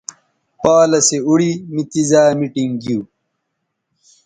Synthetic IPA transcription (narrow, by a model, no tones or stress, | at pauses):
paːlɐseuɽimit̪izaːmiʈiŋɡiuː